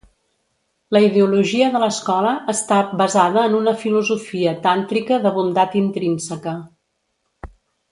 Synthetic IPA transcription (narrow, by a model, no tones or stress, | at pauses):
ləiðeuluʒiəðələskɔləʔːst̪abəzaðəːnunəfiluzufiət̪ant̪ɾikəðəβund̪at̪int̪ɾinsəkə